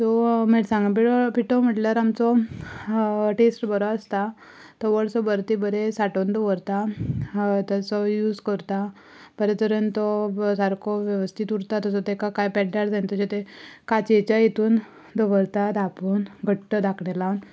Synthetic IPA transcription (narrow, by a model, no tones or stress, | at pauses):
t̪ɔmeɽsãŋɡapiʈɔpiʈɔm̤əʈljaɾamt͡sɔ | ʈesʈbəɾɔast̪a | t̪ɔʋəɭsɔbəɾt̪ibəɾesaʈond̪ɔʋəɾt̪a | t̪asɔjuːd͡zkəɾt̪a | b̥əɾet̪əɾənt̪ɔsaɾkʰɔʋjəʋəst̪ʰit̪uɽt̪at̪ɔsɔt̪ekakajpɛʈɖaɽd͡zaint̪ɔɕet̪ekat͡ɕet͡ɕajet̪uːn | d̪ɔʋəɾt̪ad̪apuːnɡʱəʈːəd̪akʰɳelan